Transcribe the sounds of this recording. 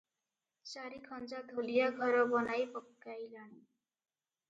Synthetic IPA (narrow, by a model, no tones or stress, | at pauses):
saɾikʰɔnd͡ʒad̪ʱolijaɡʱɔɾɔbɔnajpɔkːajlañi